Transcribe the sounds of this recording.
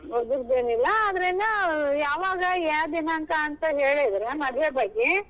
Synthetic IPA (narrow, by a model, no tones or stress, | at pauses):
ɦod̪uɾd̪eːnilːɐaːd̪ɾɐlːɐjaːʋaːɡɐjad̪inank̪ɐːnt̪ɐɦeːɭed̪ɐɾemɐd̪ʱʋebɐɡːe